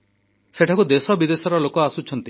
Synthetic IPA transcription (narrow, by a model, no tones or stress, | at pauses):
seʈʰakud̪esɔbid̪esɔɾɔlokɔasut͡ʃʰɔnt̪i